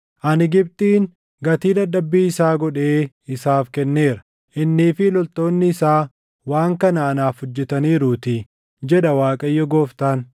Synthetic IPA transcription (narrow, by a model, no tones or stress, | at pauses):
ʔɐnɪɡɪb̚t̪ʼiːŋ | ɡɐt̪iːd̪ɐdːɐbːiːɪsaːɡɔᶑe̞ː | ɪsaːfkɛnːeːɾɐ̥ | ʔɪnːiːfɪlɔlt̪o̞ːnːɪːsaː | waːŋkɐnɐːnaːfhʊd͡ʒːɛt̪ɐniːɾuːt̪ɪ | d͡ʒɛᶑɐwaːkʼɐjːɔɡoːft̪aːn